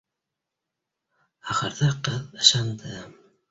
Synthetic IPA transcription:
ɑχə̆ɾðɑqɤðɤ̆ʃɑnd̪ɤ

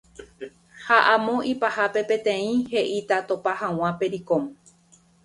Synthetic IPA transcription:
haʔãmõ̞ipahape̞pẽ̞t̪ẽ̞ĩhe̞ʔit̪at̪opahãw̃ãpe̞ɾikom

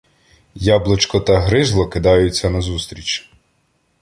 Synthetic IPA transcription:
jɑblˠɪt͡ʃkɔt̪ɐɦɾɪzlˠɔkɪd̪ɑjʊt͡sʲːɐnɐzust̪ɾʲit͡ʃ

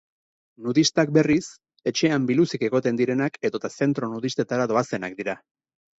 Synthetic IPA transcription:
nuðist̪ak̚be̞ris | e̞t͡ʃe̞ambilusike̞ɣo̞t̪e̞nd̪iɾe̞nake̞ðo̞t̪ase̞nt̪ɾo̞nuð̞ist̪e̞t̪aɾaðo̞ase̞nak̚d̪iɾa

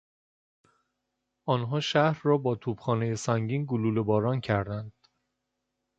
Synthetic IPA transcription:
ʔɒːnɦɒːʃæhɾːɒːbɒːt̪ʰuːb̥xɒːneje̞sæŋɟiːnɡoluːlebɒːɾɒːncʰæɾd̪ænd̪̥

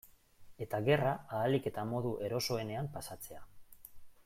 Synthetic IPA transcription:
e̞t̪aɣe̞raaːlike̞t̪amo̞ðuʔe̞ɾo̞so̞e̞ne̞ampasat͡se̞a

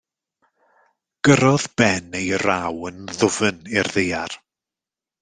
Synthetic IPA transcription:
ɡ̥əɾɔðb̥ɛnejrawənðʊvənɪrðejar

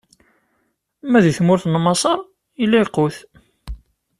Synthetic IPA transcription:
mæðiθmʊɾθnmɑsˤɑɾˤ | iliqːʊθ

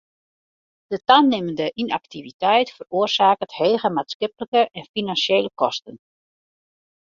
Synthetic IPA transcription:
d̥ətannɪməndəʔina̰k̚tivitɛjtfəroərsaːkətheːɣəmaːtskɪpələkəʔɛnfinanseːləkɔstən

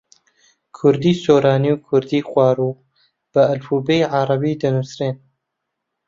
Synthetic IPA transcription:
kʰʊɾd̪iːsoːɾaːniwkʰʊɾd̪iːxʷwɑːɾuː | b̥ɨɐlfuːbejʕɑɾˤɑbiːd̪ɐnusɾeːn

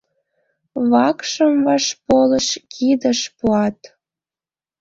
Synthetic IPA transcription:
βɑkʃəmvɑʃpoləʃkʰid̪əʃpuɑt̪

